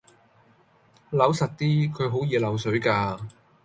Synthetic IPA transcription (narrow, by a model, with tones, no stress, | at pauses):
lɐ˨˥wsɐ˨t̚t̪iː˥kʰɵ˨˧ɥɦo˨˥wjiː˨˧lɐ˨˥wsɵ˨˥ɥkaː˧